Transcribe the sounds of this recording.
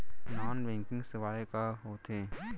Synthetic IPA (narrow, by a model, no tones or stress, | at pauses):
naːnbɛ̃ŋkɪ̃ŋɡsɪʋaːjekaɦoːt̪ẽː